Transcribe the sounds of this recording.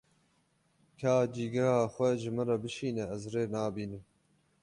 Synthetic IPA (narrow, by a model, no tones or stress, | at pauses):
kʰaːd͡ʒiːɡɐhaːxʷɛʒɪmɨɾɑbɨʃiːnɛɛzreːnaːbiːnɨm